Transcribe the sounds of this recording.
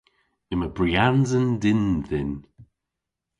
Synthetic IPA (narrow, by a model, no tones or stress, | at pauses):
ɪməbɾianzəndɪnðɪn